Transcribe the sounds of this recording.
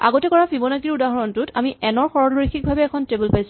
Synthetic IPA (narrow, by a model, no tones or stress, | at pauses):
a̰ɡɔtɛkɔɹapʰibɔnakiɹudaɦɔɹɔntʊtamiʔɛnɔɹxɔɹɔoixik̚bʱabɛːkʰɔntebulpajs